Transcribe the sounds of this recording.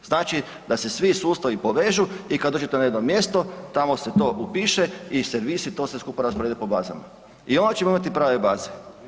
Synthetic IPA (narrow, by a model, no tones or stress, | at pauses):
znaːt͡ʃi | d̪asesʋisuːst̪aʋipo̞ʋe̞ʒuikad̪oːd͡ʒe̞t̪enajed̪nomje̞ːst̪ot̪amoset̪o̞ːʔupiːʃe̞iseɾʋisit̪o̞ːseskuːpaɾaspoɾed̪epobaːza̰ma̰ | io̞nd̪at͡ʃemoimat̪ipɾaːʋe̞baːze